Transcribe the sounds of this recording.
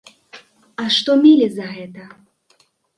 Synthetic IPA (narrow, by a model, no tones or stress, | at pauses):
ɐʂt̪ɔmʲelʲizɐɣɛt̪ɐ